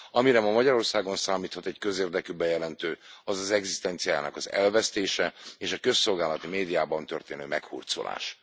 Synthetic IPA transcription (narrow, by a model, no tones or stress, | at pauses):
ɒmiɾɛmɒmɒɟɒɾo̞rsaːɡo̞nsaːmiːt̪hɒt̪ɛɟkø̞zeːrd̪ɛkybɛjɛlɛnt̪øːɒzɒzɛɡzist̪ɛnt̪sijaːja̰ːnɒkɒzɛ̰lvɛst̪eːʃɛeːʃɒkø̞sːo̞lɡaːlɒt̪imeːd̪ijaːbɒnt̪ørt̪eːnø̰ːmɛkhṵrt̪so̰la̰ːʃ